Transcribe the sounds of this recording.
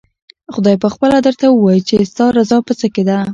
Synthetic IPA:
xʊd̪ɑjpəxpəlad̪əɾt̪awəwɑjt͡ʃest̪ɑɾazɑpət͡səked̪a

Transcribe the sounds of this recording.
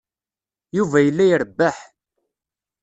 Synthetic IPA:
juvæjəlːæjəɾəbːaħ

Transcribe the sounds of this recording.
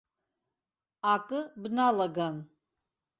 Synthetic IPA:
akʼɨbnalaɡam

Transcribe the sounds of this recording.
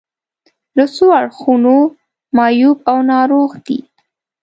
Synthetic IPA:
ləsoaɽxuno | mɑjubawnɑɾoɣd̪ḭ

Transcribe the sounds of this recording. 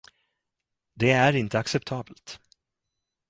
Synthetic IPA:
d̪ɛæɾɪnt̪əaksɛpt̪ʰɑːbəlt̪

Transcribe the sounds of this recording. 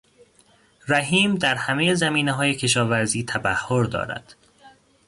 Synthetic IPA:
ɾæɦiːmd̪æɾhæmejezæmiːneɦɒːje̞cʰe̞ʃɒːvæɾziːt̪ʰæbæhːoɾd̪ɒ̰ːɾæ̰d̪̥

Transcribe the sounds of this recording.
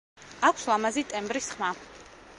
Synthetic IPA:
akʷʰslˠamazit̪ʼɛmbɾisχma

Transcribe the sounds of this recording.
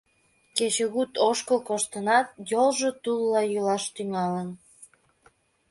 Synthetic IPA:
ket͡ɕəɣut̪oʃkəlkoʃt̪ənɑt̪̚jolʒot̪ulːɑjylɑʃt̪yŋɑlən

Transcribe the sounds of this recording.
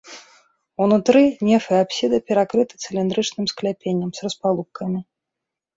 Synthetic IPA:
wnut̪ɾɨnʲɛfɨapsʲid̪ɐpʲɛɾakɾɨt̪ɨ̥t̪sɨlʲind̪ɾɨt͡ʂnɨmsklʲapʲenʲːɐmsrɐspalˠupkʰɐmʲi

